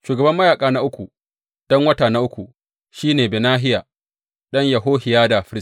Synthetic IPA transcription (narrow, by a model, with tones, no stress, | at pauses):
ʃuː˨ɡɐ˨bɐ˦mːɐ˦jaː˨kʼaː˦na˦ʔʊ˦kʷu˨ | d̥ɔ˦ŋwɐ˦taː˨na˦ʔʊ˦kʷu˨ | ʃiː˦neː˨beː˨naː˦ɦɪ˦jaː˨ | ɗɐ˦ɲjɐ˨ɦoː˦hɪ˨jaː˦da˨ɸɪ˦ɪ˦